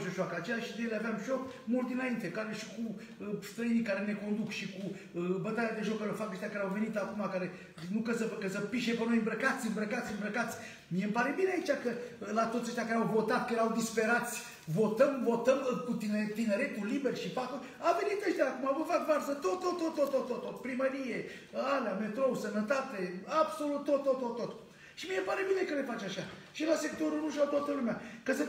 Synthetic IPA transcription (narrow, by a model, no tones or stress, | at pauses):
soʃoakəat͡ʃejaʃid̪ejeleaveamʃo̞kmult̪d̪inaint̪e̞kaɾeʃi̥ku | st̪ɾəinikaɾene̞ko̞nd̪ukʃiku | bət̪ajad̪e̞ʒo̞kːəɾeofakəʃt̪ʲakaɾeawve̞nit̪akumakaɾe̞ | nukəsəpəkəsəpiʃepeno̞jmbɾəkat̪sʲɨmbɾəkat̪sʲɨmbɾəkat̪sʲ | mijempaɾe̞bineait͡ʃakəlat̪ot̪sʲəʃt̪jakaɾeawvo̞t̪at̪̚kəjeɾawd̪ispe̞ɾat̪sʲ | vo̞t̪əmvo̞t̪əmkut̪int̪ine̞ɾe̞t̪ulːiberʃipakulʲ | ave̞nit̪əʃt̪ʲaːkumavəfakvarzət̪ot̪ːot̪ːot̪ːot̪ːot̪ːot̪ːot̪pɾiməɾije̞ | aleame̞t̪ɾo̞usənət̪at̪e̞abso̞lut̪ːot̪ːot̪ːot̪ːot̪ | ʃimijepaɾe̞bine̞kəlefat͡ʃaʃaʃilase̞kt̪o̞ɾulnuʃawt̪wat̪əlumeakəsə